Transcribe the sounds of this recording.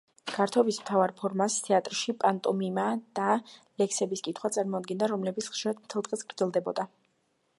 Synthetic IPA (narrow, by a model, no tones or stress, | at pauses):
ɡ̥aɾt̪ʰɔbismt̪ʰavaɾpʰɔɾmast̪ʰɛat̪ʼɾʃipʼant̪ʼɔmimad̪̥alɛksɛbiskʼit̪ʰχwat̪sʼaɾmɔad̪̚ɡɛnd̪aɾɔmlɛbit̪sχʃiɾad̪̚mt̪ʰɛlˠt̪ʼʁʼɛsɡɾd̪zɛlˠd̪ɛbɔ̰d̪a